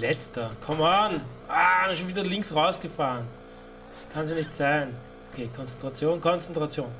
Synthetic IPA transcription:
lɛt͡stɐkʰɔman | ʔaːʃoːnviːdɐlɪŋksʁaʊsɡ̥əfaːʁən | kʰanzinɪçtz̥aɪn | ʔokʰeːkʰɔnt͡sɛntʁ̥at͡sjoːnkʰɔnt͡sɛntʁ̥at͡sjoːn

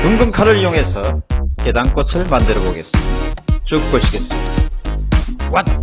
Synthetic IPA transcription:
tuŋɡɯŋkʰaɾɯɭjoŋɦe̞sʰʌke̞daŋk͈osʰɯɭmandɯɾʌboɡe̞̰s͈ɯmidat͡ɕuk̚p͈oɕʰiɡe̞s͈ɯmi̥dawat̚

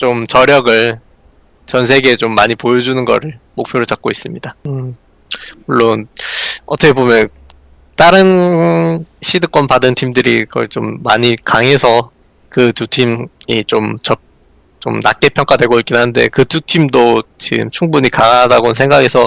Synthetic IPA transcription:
t͡ɕomt͡ɕʌɾjʌɡɯɭ | t͡ɕʌns̬ʰe̞ɡe̞ːt͡ɕomːaɲipojʌd͡ʑunɯnɡʌ̰ɾɯɭmok̚pʰjoɾot͡ɕak̚k͈ois͈ɯmɲida | muɭːonʌtʰʌkʰe̞bomjʌn | t͈aɾɯn | ɕʰidɯk͈wʌnpadɯntʰimdɯɾikʌ̰it͡ɕomːa̰ɲikaŋe̞sʰʌ | kɯtutʰimit͡ɕomt͡ɕʌ | t͡ɕomna̰k͈e̞pʰjʌŋk͈adwe̞ɡoik͈inannde̞̰kɯtutʰimdot͡ɕiɡɯ̰mt͡ɕʰuŋbuɲikaŋadaɡonnsʰeŋɡaɡe̞sʰʌ

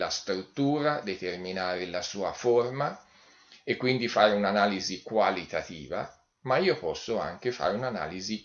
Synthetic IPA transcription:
ast̪ɾut̪ːuːɾad̪et̪erminaːɾelasuːaforma | ekːwind̪ifaːɾeunanaːlizikwalit̪at̪ḭːva̰ | maiːopɔsːʊa̰ŋkefa̰ːɾeunana̰ːlizi

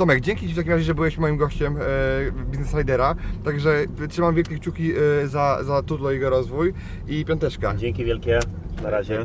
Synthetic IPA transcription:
t̪ɔmɛɡd͡ʑɛŋkʲit͡ɕift̪ak̬ʲimɾaʑɛʐɛbɘwɛɕmɔjimɡɔɕt͡ɕɛm | bʲiznɛsɾajd̪ɛɾat̪aɡʐɛtʂɘmamvʲjɛlkʲɛkt͡ɕukʲizazat̪ut̪lɔjɛɡɔɾɔzvuj | ipʲɔnt̪ɛʂkad͡ʑeŋkʲivʲjɛlkʲɛnaɾaʑɛ

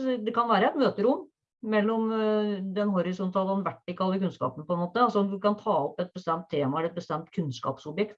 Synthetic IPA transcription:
d̪ɛkʰɑnʋæːɾəɛt̪møːt̪əɾʊmː | mɛlːɔmd̪ɛnɦɔɾɪsɔnt̪ɑhɑnʋæʈːɪkːəɑlːəkʉnskɑ̰ːpənəpʰɔɛnmoːt̪əɑlsɔɔmd̪ʉkɑnt̪ʰɑːɔpːɛt̪̚bəst̪ɛmt̪ʰːeːmɑɛɾɛt̪̚bəst̪ɛmt̪kʰʉnskɑ̰ːpsɔbjɛkt̪

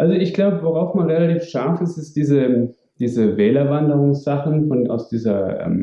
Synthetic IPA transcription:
ʔalzoɪçɡ̥laʊbəvoʁ̞aʊfmanʁelatiːfʃaɐfɪstɪsd̥iːzə | d̥iːzəvɛːlɐvandəʁʊŋsz̥aχn̩fɔnʔa̰ʊsd̥iːzɐʔɛ̰ːm

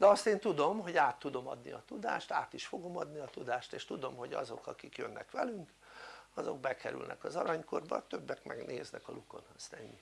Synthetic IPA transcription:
d̪ɛɒst̪eːnt̪ud̪o̞mɦoɟaːt̪ːud̪o̞mɒd̪nḭɒt̪ud̪a̰ːʃt̪a̰ːt̪iʃfo̞ɡo̞mɒd̪niɒt̪ud̪aːʃt̪eːʃt̪ud̪o̞mɦoɟɒ̰zo̞kɒkikjønːɛkʋɛlyŋk | ɒzo̞ɡbɛkɛɾy̰lnʔɛkɒzɒɾɒɲko̞rbɒ̰t̪øbːɛkmʔɛɡneːznɛkɒluko̞nhɒst̪ɛɲːi

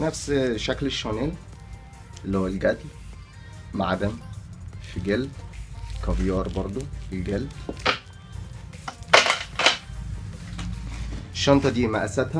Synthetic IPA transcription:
næfsʃækleʃːoneːl | lːhowːælɡæd̪l | maʕad̪æmfiɡel | kɑvjɑːɾˤbɑɾˤd̪ˤoelɡælː | eʃːɑnt̪ˤɑd̪iːmæʔæsæt̪hæ

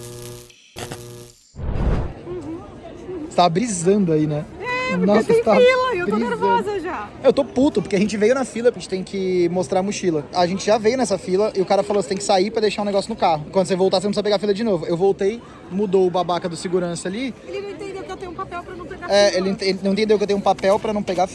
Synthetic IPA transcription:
ɪst̪aɐbɾizɐ̃d̪ʊainɛnnɔsɐst̪abɾizɐ̃ʒa | ewt̪oput̪ʊpʊɾkeɐʒẽnt͡ʃɪvejʊnɐfilɐpɾet͡ʃɪ̥t̪ẽj̃kɪmost̪ɾaɾɐmuʃilɐaʒẽnt͡ʃɪʒavejʊnɛs̬ɐfilɐʔɪʊkaɾɐfalose̥t̪ẽkɪsaipɾɐd̪ejʃaɾũneɡɔsjʊnʊkaɦʊ̃kwɐ̃nd̪ʊs̬evowt̪as̬enõmsoɐpeɡafilɐd͡ʒɪnovʊewvowt̪ej | mud̪owʊbabakɐd̪ʊsɪɡuɾɐ̃sɐalĩt̪ẽt̪eũpapɛwɾɐnɐ̃wpeaɛelɪẽt̪ẽɪnɐ̃w̃t̪ẽd̪ewkewt̪ẽũpapɛwpɾɐnɐ̃w̃peɡaf

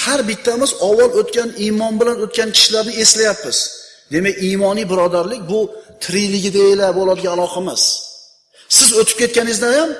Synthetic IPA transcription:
haɾbɪt̪ʰːamɪzɒwɒlˠot̪kʲanimɒnbɪlanot̪̚kʲankʲʰɪ̥ʃɪlaɾnɪe̞slajapːɪz̥ | d̪e̞makʲimɒnijbɪɾɒd̪aɾlɪk̚ʲbʊt̪ʰɾilɪɡʲɪd̪aelabolˠad̪ɪɡʲaːlˠɒqʰamas | sɪzot̪ʰɪp̚kʲʰe̞t̪̚kʲanɪzd̪ajam

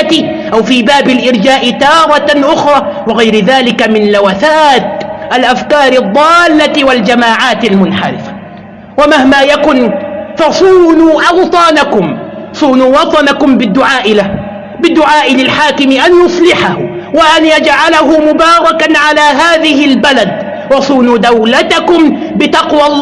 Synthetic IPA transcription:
t̪ɪ | ʔawfiːbaːbɪlʔɪɾd͡ʒaːʔɪt̪ɑːɾˤɑʔʊxɾˤɑːwɪɣajɾɪðaːlɪkamɪnlawaθaːt̪ʔalʔafkɑːɾˤɑd̪ˤːɑːlːawald͡ʒamaːʕaːt̪almʊnħa̰ɾɪfḁ | wamahmaːjakʊnfɑsˤuːnuːʔɑwt̪ˤɑːnakʊm | sˤuːnuːwɑt̪ˤɑnakʊmbɪd̪ːʊʕaːʔɪla | bɪd̪ːʊʕaːʔɪlɪlħaːkɪmɪʔanjʊsˤlɪħahʊ | waʔanjad͡ʒʕalahʊmʊbaːɾˤɑkanʕalaːɦaːðɪhɪlbalad̪ | wɑsˤuːnuːd̪awlat̪akʊm | bɪt̪ɑqwɑlː

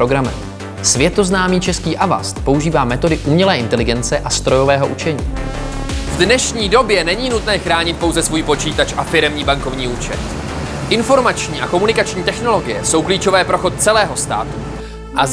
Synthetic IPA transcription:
ɾo̞ɡɾamɛ̰m | svjɛt̪o̞znaːmiːt͡ʃɛskiːʔava̰st̪po̞uʒiːvaːmɛt̪o̞dɪʔumɲɛlɛːʔɪnt̪ɛlɪɡɛnt͡sɛʔast̪ɾo̞jo̞vɛːɦo̞ʔut͡ʃɛɲiː | vdnɛʃɲiːdo̞bjɛnɛɲiːnut̪nɛːxɾaːɲɪt̪̚po̞wzɛsvuːjpo̞t͡ʃiːt̪at͡ʃʔafɪɾɛmɲiːbaŋko̞vɲiːuːt͡ʃɛ̰t̪ | ʔɪnfo̞ɾmat͡ʃɲiːʔako̞munɪkat͡ʃɲiːt̪ɛxno̞lo̞ɡɪjɛso̞wkliːt͡ʃo̞vɛːpɾo̞xo̞t̪̚t͡sɛlɛːɦo̞st̪a̰ːt̪u | ʔa

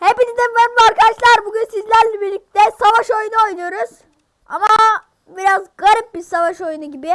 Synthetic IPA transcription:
hepinid̪imvɛmvaɾkʰad̪aʃlˠaɾbuɟynsizlʲæɾlʲɛbiɾlʲic̚t̪ʰɛsavaʃo̞jnuo̞jnujo̞ɾuz̥ | a̰ma | biɾazɡaɾip̚biɾsavaʃo̞junuɟibɪ

